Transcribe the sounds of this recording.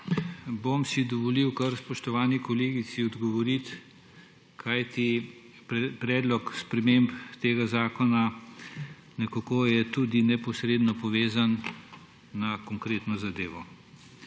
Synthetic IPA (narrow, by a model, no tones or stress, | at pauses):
bomsid̪ɔʋɔliwkɐɾspɔʃt̪ɔʋaːnikɔleːɡisiɔd̪ɡɔʋɔɾit̪ | kʰajt̪i | pɾɛːd̪lɔkspɾɛmempt̪eːɡazaːkɔna | nɛkakojɛt̪ud̪inɛpɔsɾeːd̪nɔpɔʋeːzanː | akɔŋkɾeːt̪nɔzad̪eːʋɔ